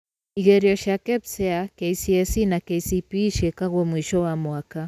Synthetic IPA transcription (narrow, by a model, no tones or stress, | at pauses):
iɣeɾiɔʃakɛpsɛakeisiɛsinakeisipiʃɛkaɣwɔmwiʃɔwamwaka